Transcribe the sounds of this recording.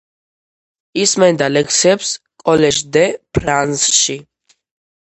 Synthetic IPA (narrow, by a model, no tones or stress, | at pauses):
ismɛnd̪alɛkʰsɛps | kʼɔlɛʒd̪ɛpʰɾansʃi